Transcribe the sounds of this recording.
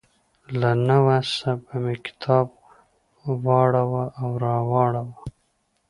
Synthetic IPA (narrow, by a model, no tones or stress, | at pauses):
lanawasabamekɪ̥t̪ʰɑːb̚ | wɑɽawaʔawɾɑwɑːɽawa